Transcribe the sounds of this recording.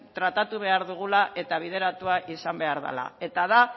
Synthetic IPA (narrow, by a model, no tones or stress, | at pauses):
t̪ɾat̪at̪uβ̞e̞aɾðuɣ̞ulaʔe̞t̪aβ̞ið̞e̞ɾat̪uaʔisambe̞aɾða̰la̰e̞t̪aða